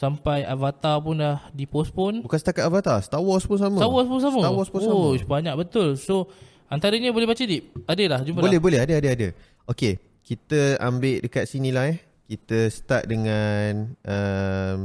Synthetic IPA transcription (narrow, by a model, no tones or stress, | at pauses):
sampajavat̪ap̬ʊnlahdipɔspʊnbukansət̪akat̪̚avat̪asə̥t̪awɔspunsamə̃t̪awɔspunsaməawɔspunsobaɲak̚bət̪ʊlso | ant̪aɾəɲəbolɛɦbat͡ʃədiʔ̚adəlahd͡ʒumpəbolɛbolɛhadəadəadə | oke | kit̪əambeʔdəkat̪̚sinilaɦɛ | kit̪əsə̥t̪aʔ̪̚dəŋanʔəm